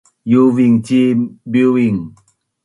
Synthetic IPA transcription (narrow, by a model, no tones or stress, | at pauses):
juviŋt͡ɕibiiŋ